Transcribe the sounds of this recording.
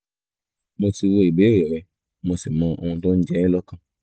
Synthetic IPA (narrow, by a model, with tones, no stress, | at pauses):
mo˧ti˧wo˧i˨ɡ͡be˨˦o˦˨jɔ˨ɾɛ˧ | mo˧si˨mɔ̃˧o˧w̃ɔ̃˧tõ˦d͡ʒɛ˦nĩ˦lɔ˦kã˦˧